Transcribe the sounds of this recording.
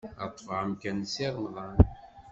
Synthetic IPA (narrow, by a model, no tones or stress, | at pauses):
ɑt̪ˤːfʁəmkænsiɾˤmðˤɑn